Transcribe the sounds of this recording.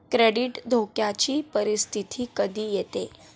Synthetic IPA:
kɾeɽiʈd̪ʱokjat͡ɕiːpəɾist̪ʰit̪ʰiːkəd̪ʱiːjet̪e

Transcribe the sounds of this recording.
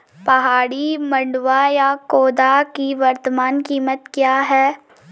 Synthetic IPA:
pɐɦaːɽimɐ̃ɳɖʋajakoːd̪akiʋɐɾt̪əmaːnkiːmət̪kjaːɦɛː

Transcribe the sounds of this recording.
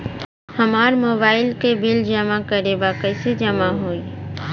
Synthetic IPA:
hɐmaːɾmoːbaːɪlkebɪld͡ʒɐmakəɾebaːkəjsed͡ʒəmaɦoːi

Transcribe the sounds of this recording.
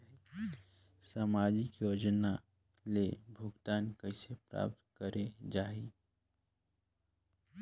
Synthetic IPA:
saːmaːd͡ʒikjoːd͡ʒna | lebʱʊɡt̪aːnkəɪsepɾa̰ːp̚t̪kəɾʔed͡ʒaːi

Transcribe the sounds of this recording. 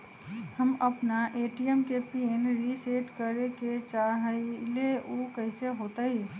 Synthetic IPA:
həməpnaʔeːʈijəmkepienɾiseʈkəɾeket͡ʃaɦəileokəɪseɦoːt̪aɦi

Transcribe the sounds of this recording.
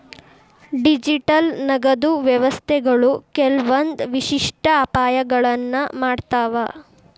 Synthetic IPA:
ɖid͡ʒiʈɐlnɐɡɐd̪uʋjɐʋɐst̪ʰɛɡɐɭukɛlʋɐnd̪ʋiʃiʂʈʰɐːpaːjɐɡɐɭɐnːɐmaːɖt̪aːʋɐ

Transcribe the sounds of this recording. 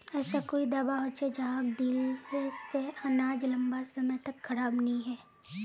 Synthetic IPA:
ɛːsakoːid̪ɐbaɦot͡ʃed͡ʒaɦɡ̚d̪iːlkeseɐnaːd͡ʒlɐ̃mbasɐmət̪ɐkʰːɐɾaːbnɐĩɦɛː

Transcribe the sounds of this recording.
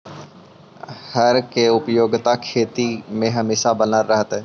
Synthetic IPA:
həɾkeʊpjoːɡt̪akʰeːt̪imẽɦəmeːʃabənəɾːəɦət̪ɦɛː

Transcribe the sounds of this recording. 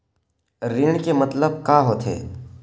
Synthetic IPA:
ɾɪɳ̃kemɐt̪ləb̚kaːɦoːt̪ɦḛː

